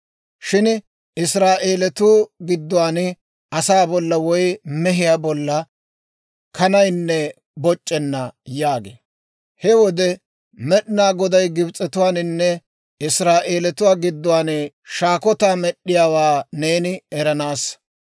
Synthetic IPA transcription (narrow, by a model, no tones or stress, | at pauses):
ʃɪn | ɪsɾaːʔeːlɛt̪uːɡɪd̪ːʊwaːn | ʔɐsaːbɔlːɐwɔjmɛɦɪjaːbɔlːɐ | kʰɐnɐjnːɛ | bɔt͡ʃʼːɛnːɐjaːɡḛː | hɛwɔd̪ɛ | mɛɗnaːɡɔd̪ɐjɡɪbt͡sʼːɛt̪ʊwaːnɪnːɛ | ɪsɾaːʔeːlɛt̪ʊwaːɡɪd̪ːʊwaːn | ʃaːkɔt̪aːmɛɗːɪjaːwaːneːnɪɛɾɐnaːs